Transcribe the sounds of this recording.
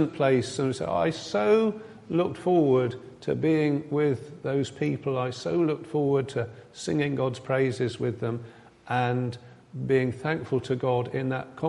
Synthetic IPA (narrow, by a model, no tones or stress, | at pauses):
npʰl̥eɪssə̃nsə̰a̰ɪsoʊ | lʊk̚tfɔɹwə˞d̚tʰɨ̰biɪ̃ŋwɪððoʊz̥pʰipl̩ˠaɪsoʊlʊk̚tfɔɹwə˞d̚tʰɨsɪ̰̃ŋɪ̃ŋɡɑdz̥pʰɹ̥eɪzɪzwɪðə̃m | ʔə̃n | biɪ̃ŋθæ̃ŋkfl̩ˠtʰɨɡɑɾɪ̃nðə̰t̚kʰɑ̃